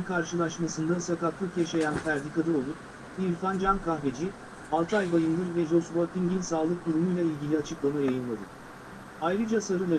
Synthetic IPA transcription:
kʰaɾʃɯlˠaʃmasɯnd̪asakak̪lˠɯkɛʃajænfæɾd̪ikad̪ɯolˠup̚ | iilʲfand͡ʒankʰaxved͡ʒi | alˠt̪ʰajbajɯnd̪ɯɾvɛʒosbot̪ʰːinɟinʲsaːlˠɯk̚d̪uɾumujlʲˠailʲɟʲilʲiat͡ʃʰɯklˠamajajɯnlˠad̪ɯ̰ | ajɾɯd͡ʒasaɾɯlˠa

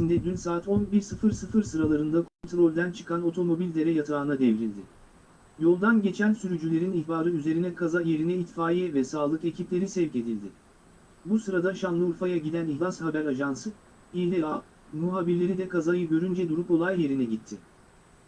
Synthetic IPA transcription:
ind̪ɛd̪ynsaːt̪ʰo̞nbiɾsɯfɯɾsɯfɯɾsɯɾalˠaɾɯnd̪akʰo̞nt̪ɾo̞lʲd̪ænt͡ʃʰɯ̥kʰano̞t̪ʰo̞mo̞bilʲd̪e̞ɾɛjat̪ʰaːnad̪evɾilʲd̪ɪ | jo̞lˠd̪anɟe̞t͡ʃʰænsyɾyd͡ʒylʲe̞ɾinihbaːɾɯyze̞ɾinɛkʰazaje̞ɾinɛit̪faːjɛvɛsaːlˠɯke̞cʰiplʲe̞ɾisɛvce̞d̪ilʲd̪ɪ | busɯɾad̪aʃanlˠɯuɾfajaɟilʲænihlʲˠashabæɾaʒansɯ | ilʲɛa | muɦaːbiɾlʲe̞ɾid̪ɛkʰazajɯɟø̞ɾynd͡ʒɛd̪uɾupo̞lˠajːe̞ɾinɛɟit̪ʰːɪ

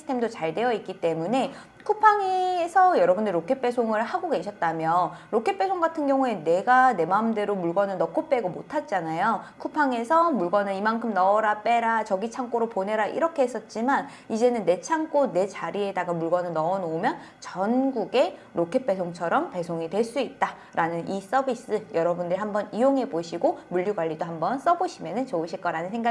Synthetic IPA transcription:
isʰɯ̥tʰe̞mdot͡ɕaɭde̞jʌik͈it͈e̞mune̞ | kʰupʰaŋesʰʌjʌɾʌbɯndeɾokʰep͈e̞sʰoŋɯɭhaɡoɡe̞ɕʰʌt̚t͈amjʌɾokʰe̞p͈e̞sʰoŋɡatʰɯnɡjʌŋue̞ne̞ɡane̞mamde̞ɾomuɭɡwʌnɯnnʌk͈op͈e̞ɡomotʰat̚t͡ɕ͈anajokʰupʰaŋe̞sʰʌmuɭɡwʌnɯnimankʰɯmnʌːɾap͈e̞ɾat͡ɕʌɡit͡ɕʰaŋk͈oɾopone̞ɾaʔḭɾʌkʰe̞ɦes͈ʌt̚t͡ɕ͈iman | id͡ʑe̞nɯnːe̞t͡ɕʰaŋk͈one̞t͡ɕaɾie̞daɡamuɭɡwʌnɯnnʌʌnoumjʌn | t͡ɕʌnɡuɡe̞ɾokʰet̚p͈e̞sʰoŋt͡ɕʰʌɾʌmpe̞sʰoŋidwe̞ɭs͈uit̚t͈a | ɾʔanɯnʔis͈ʌbʱis͈ɯjʌɾʌbundɯɾihambʌnijoŋɦe̞boɕʰiɡomuʎːuɡwaɭːidoɦambʌns͈ʌboɕʰimjʌnɯnt͡ɕoɯɕʰiɭk͈ʌɾanɯnsʰeŋɡa

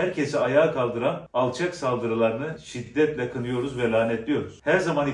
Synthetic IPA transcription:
æɾcʰe̞siajaːkʰalˠd̪ɯɾanalˠt͡ʃʰaksalˠd̪ɯɾɯlˠaɾɯnɯʃid̪ːɛt̪lʲɛkʰɯnɯjo̞ɾuzvɛlʲˠaːnɛt̪lʲijo̞ɾuz̥hæɾzamani

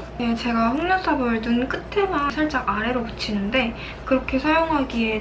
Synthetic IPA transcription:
et͡ɕe̞ɡaɸoŋʎosʰabɯɭtunk͈ɯtʰe̞masʰʌɭt͡ɕ͈aaɾe̞ɾoput͡ɕʰinɯnde̞ | kɯɾʌkʰe̞sʰajoŋɦaɡie

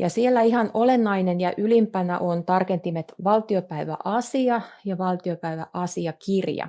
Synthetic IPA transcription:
jɑ̰sielːæihɑnolenːɑinenjɑʔylimpænæ̰ʔont̪ɑrkent̪imet̪ʋɑlt̪iopæiʋæ̰ʔɑsiɑjɑʋɑlt̪iopæiʋæʔɑsiɑkirjɑ̰

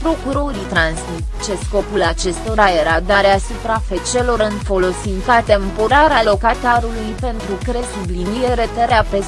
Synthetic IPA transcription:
pɾo̞kuɾo̞ɾit̪ɾansmit̪t͡ʃesko̞pulat͡ʃe̞st̪o̞ɾaje̞ɾad̪aɾeasupɾafet͡ʃe̞lo̞ɾɨnfo̞lo̞sink̪at̪e̞mpo̞ɾaɾalo̞kat̪aɾulujpe̞nt̪ɾukɾesublinije̞ɾe̞t̪eɾeape

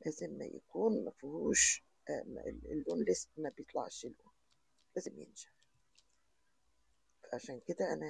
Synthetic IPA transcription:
læːzɪmːæ̰ja̰kuːnmafʊhuːʃ | m̰lʔoːnlɪsmabjɪt̪ˤlɑ̰ʕʃɪlʔoːn | læːzɪmjɪ̰nʒḁħ | fʕaʃæːnkɪd̪aʔana

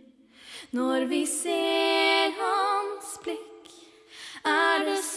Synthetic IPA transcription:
nɔɾʋɪseːɾɦɑnsb̥lɪk | æɖɛs

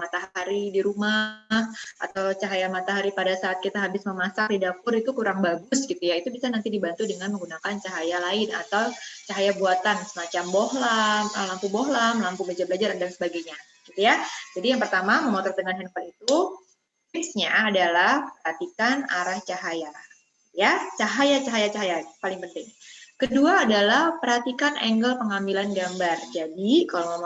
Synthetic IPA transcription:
mat̪aɦaɾidiɾumahʔa̰t̪awt͡ʃaɦajamat̪aɦaɾipadasaːt̪̚kit̪aɦabɪsməmasak̚lidapʊɾit̪ukuɾaŋbaɡʊsɡit̪ujait̪ubisanant̪idibant̪udəŋanməŋɡunakant͡ʃaɦajalaɪna̰t̪awt͡ʃaɦajabuat̪ansəmat͡ʃambɔɦlaməlampubɔɦlamlampubed͡ʒabəlad͡ʒaɾndansəbaɡaɲa | ɡ̥it̪ujad͡ʒadijaŋpərt̪amaməmat̪ɔrt̪əŋanɦɛnfalit̪u | t̪ɪpsɲaːdalahpərhat̪ikanaɾaht͡ʃaɦaja | jat͡ʃaɦajat͡ʃaɦajat͡ʃaɦajapalɪŋpənt̪ɪŋkəduaːdalahpərhat̪ikanʔɛŋɡəlpəŋambilanɡambard͡ʒadikalawməm

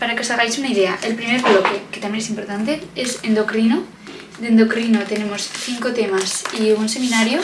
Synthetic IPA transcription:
paɾakesaɣajsunaið̞e̞aʔelpɾime̞ɾβlo̞ke̞ke̞t̪amje̞nesimpo̞ɾt̪ant̪e̞ese̞nd̪o̞kɾino | d̪e̞nd̪o̞kɾinot̪e̞ne̞mo̞sθiŋko̞t̪e̞masiunse̞mĩnaɾjo

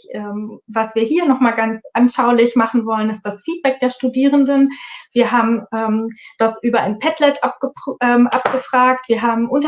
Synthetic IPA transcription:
ʔɛːmvasv̥iːɐɦiːɐnɔχmaːlɡant͡sʔanʃaʊlɪçmaχn̩vɔlənɪst̚d̥asfiːt̚b̥ɛk̚d̥eːɐʃtudiːʁəndənv̥iːɐɦaːbm̩ʔɛːmd̥asʔyːbɐʔaɪnpʰɛtlɛtʔap̚ɡ̥əʔɛːmʔa̰p̚ɡ̥əfʁ̥aːktv̥iːɐɦaːbm̩ʔʊnt

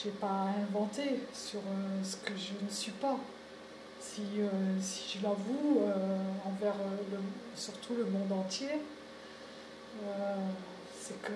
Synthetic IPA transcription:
ʒɛpaɛ̃vɑ̃t̪esyʁøsə̥kəʒənəsɥipa | siøsi̥ʒəlavuøɑ̃vɛʁlə | syʁt̪ʰuləmɔ̃d̪ɑ̃t̪je | ø | sɛkə

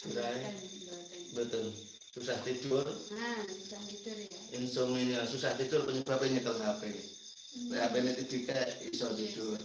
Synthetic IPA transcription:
d͡ʒ̥uɾa | bət̪ʊl | susaht̪id̪̥ʊr | uaidʊrinsoŋiɲəsusaht̪id̥̪ʊrpəɲəb̥a̤peɲək̪əlsape | eapenet̪id̥i̤kaisɔt̪id̥ʊr

